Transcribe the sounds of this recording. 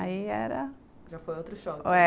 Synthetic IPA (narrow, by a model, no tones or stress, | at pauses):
aiɛɾɐ | ʒafojowt̪ɾʊʃɔkoɛ